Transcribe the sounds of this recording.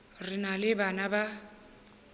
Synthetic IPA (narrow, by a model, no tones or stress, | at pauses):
rɪnalɪbanaba